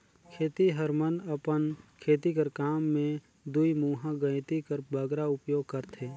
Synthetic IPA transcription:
kʰeːt̪iɦəɾmənəpənkʰeːt̪ikəɾkaːmːẽ | d̪uimuːɦãɡə̃ɪt̪ikəɾbəɡɾaʊpjoːɡ̚kəɾt̪ʰeː

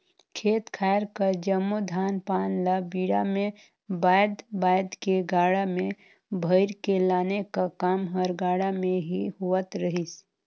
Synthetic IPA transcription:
kʰeːt̪kʰaːɪɾkəɾd͡ʒəmːud̪ʱaːnpaːnlabiːɽamẽ | baːjd̪baːjd̪keɡaːɽamẽ | bʱəɪɾkelaːnekakaːmɦəɾɡaːɽamẽɦiɦuət̪ɾəɦis

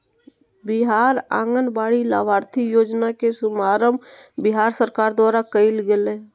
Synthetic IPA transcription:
bɪɦaːɾã̰ːŋɡənbaːɽila̰ːʋaːɾt̪ʰijoːd͡ʒnakesʊmaːɾəmbɪɦaːɾsəɾkaːɾd̪waːɾakəɪlɡele

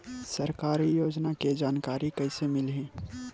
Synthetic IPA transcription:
sɐɾkaːɾijoːd͡ʒnaked͡ʒaːnkaːɾikɐɪsemɪlɦẽː

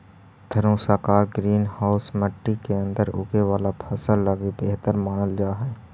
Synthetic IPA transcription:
t̪ʰəɾõsəːkaːɾɡɾiːnhaːʊsməʈːikeə̃nd̪əɾʊ̰ɡeʋaːlapʰəsəlləɡibeːɦt̪əɾmaːnəld͡ʒaːɦɛː

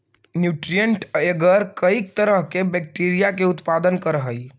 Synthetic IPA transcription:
njuʈɾijəɳʈeɡəɾkəik̚t̪əɾəɦkebɛk̚ʈiɾijakeut̪pad̪ənkəɾɦəi

